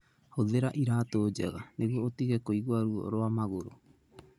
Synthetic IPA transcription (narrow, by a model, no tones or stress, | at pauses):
hoðeɾaʔiɾaːt̪od͡ʒa̰ɣaneɡoot̪iɡekojɡoaɾuo̰ɾoamaɣoɾo̰